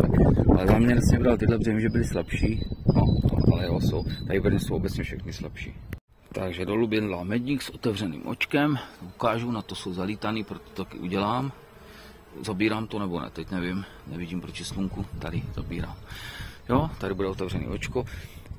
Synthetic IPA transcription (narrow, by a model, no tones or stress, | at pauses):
a̰kʔa̰lɛzaːmɲɛɾɛt͡sɲɛvdalt̪ɪdlɛbrɛmɪʒɛbɪlɪslɛpʃiːno̰ʔa̰lɛjɛɦoso̰wt̪adɪpɛɾɲɛsowobɛt͡sɲɛfʃɛxnɪslɛpʃḭː | t̪aɡʒɛdolubɪndlamɛɟɲiːksʔo̞t̪ɛvr̝ɛnḭːmʔo̰t͡ʃkɛmukaːʒunat̪osowzaliːt̪aniːpɾot̪o̥t̪akɪ̰ʔṵɟɛlaːm | zabiːɾaːmt̪onɛbo̞nɛ̰t̪ɛcnɛvɪm | nɛvɪɟiːmpɾot͡ʃɪsluŋkut̪adɪz̥a̰biːɾa̰ːmjot̪adɪbudɛot̪ɛvrɛnḭːʔot͡ʃko